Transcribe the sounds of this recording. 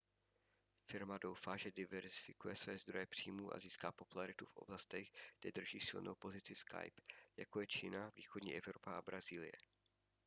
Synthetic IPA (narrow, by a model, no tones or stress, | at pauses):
fɪɾmado̞wfaʒɛdɪvɛɾzɪfɪkujɛsvɛːzd̪ɾo̞jɛpr̝̥iːmuːʔa̰ziːskaːpo̞pulaɾɪt̪ufʔo̞̰blast̪ɛɣɡdɛd̪r̩ʒiːsɪ̰lnʔowpo̞zɪt͡sɪska̰jpjakojɛt͡ʃḭːnavḭːxodɲḭːʔɛvɾo̞paʔa̰bɾaziːlɪ̰jɛ̰